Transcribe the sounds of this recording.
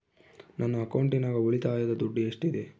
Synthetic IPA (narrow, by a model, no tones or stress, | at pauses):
nanːuɐkɐwɳʈinaːɡɐoɭit̪aːjod̪ɐd̪uɖːiɐʂʈid̪e